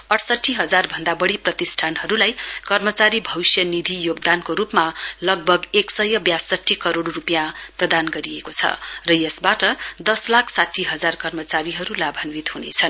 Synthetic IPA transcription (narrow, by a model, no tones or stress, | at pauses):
ʌʈʰsʌʈʰːiɦʌd͡zarbʱʌnd̪abʌɽiprʌt̪isʈʰanɦʌɾulajkʌrmʌt͡saɾibʱʌwsjʌnid̪ʱijoɡ̚d̪ankoɾupmalʌɡ̚bʱʌɡeksʌjʌbjasʌʈʰːikʌɾoɽrupjãprʌd̪anɡʌɾiekot͡sʰʌ̰rʌjesbaʈʌd̪ʌslakʰsaʈʰiɦʌd͡zarkʌrmʌt͡saɾiɦʌɾulabʱʌnwit̪ɦunḛt͡sʰʌn